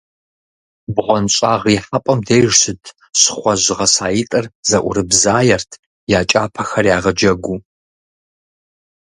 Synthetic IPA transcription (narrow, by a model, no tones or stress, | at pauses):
bʁʷɔnɕʼaːʁiħɐpʼɐmdejʒsɨtʰ | ɕɪ̥χʷɔʑɪʁɐsaːjitʼɨrzɐʔʷʊ̰ɾɨbzaːjɛrtʰ | jaːt͡ʃʼa̰ːpʰɐxɐrjaːʁɐd͡ʒɐɡʷuː